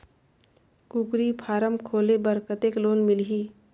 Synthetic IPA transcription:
kuːkɾipʰaːɾəmkʰoːlebəɾkət̪eːkloːnmɪlɦiː

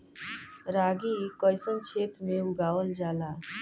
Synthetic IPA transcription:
ɾaːɡikɔjsənt͡ʃʰeːt̪ɾmẽʊɡaːwəld͡ʒaːlaː

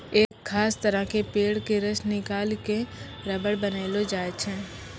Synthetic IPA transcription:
eːkxʰaːst̪əɾə̃kepeːɽkeɾəʃnɪkaːlke | ɾəbəɽbənaːɪlod͡ʒaːet͡ʃʰɛː

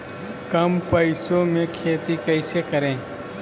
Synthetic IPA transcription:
kɐmpəɪsõmẽkʰeːt̪ikəɪsekəɾẽː

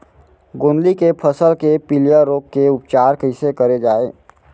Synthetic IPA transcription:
ɡõːnlikepʰəsəlkepilijəɾoːkːeʊpt͡ʃaːɾkəɪsekəɾed͡ʒaːeː

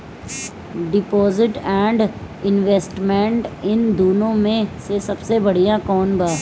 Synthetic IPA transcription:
ɖɪpɔːzɪʈɛ̃ːɳɖ | ɪnʋeːsʈmɛ̃ɳʈɪnd̪uːnõmẽsesɐbsebɐɽ̤ijãkɔːnbaː

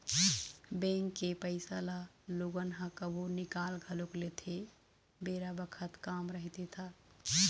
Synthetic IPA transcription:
bẽŋkːepəɪsalaloɡənɦãkəbʱonɪkalɡʱəloklet̪ʰe | beɾabəkʰət̪kamɾəɦit̪et̪ʰa

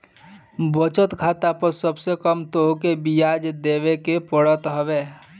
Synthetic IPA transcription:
bət͡ʃət̪ɡʰʱaːt̪apəɾsəbsekəmt̪oɦkebijaːd͡ʒd̪eːwekepəɽət̪ɦəweː

